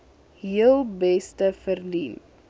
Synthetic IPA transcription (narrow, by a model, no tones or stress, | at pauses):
ɦiəlˠbɛstəfərliːf